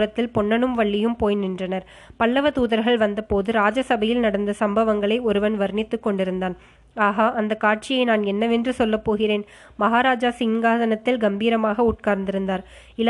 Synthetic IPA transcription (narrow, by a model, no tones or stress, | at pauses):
ɾɐt̪ːɪlpɔɳːɐnɯmʋɐɭːɪjɯmpoːjnɪndrɐnɐɾ | pɐɭːɐʋɐt̪uːðɐɾɣɐɭʋɐnd̪ɐpoːðɯɾaːd͡ʒɐsɐbɐjɪlnɐɽɐnd̪ɐsɐmbɐʋɐŋɡɐɭɐɪɔɾɯʋɐnʋɐɾɳɪt̪ːɯkːɔɳɖɪɾɯnd̪aːn | aːɣaːʔɐnd̪ɐkːaːʈ̚t͡ʃɪjɐɪnaːnɛnːɐʋɛndrɯsɔlːɐpːoːɣɪreːn | mɐɦaːɾaːd͡ʒaːsɪŋɡaːðɐnɐt̪ːɪlɡɐmbiːɾɐmaːɣɐʊʈ̚kaːɾnd̪ɪɾɯnd̪aːɾ | ɪl